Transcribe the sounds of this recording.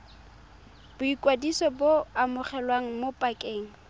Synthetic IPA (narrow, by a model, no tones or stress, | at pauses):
b̥ʊikʼwadisɔboamʊχɛlwaŋ̩mopʼakʼeːŋ̩